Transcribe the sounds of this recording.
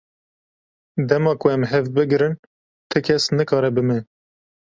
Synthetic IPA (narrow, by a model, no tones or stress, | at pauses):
d̪ɛmɑːkʰʊɛmɦɛvbɨɡɾɨn | t̪ʰɛkʰɛsnɨkɑːɾɛbɨmɛ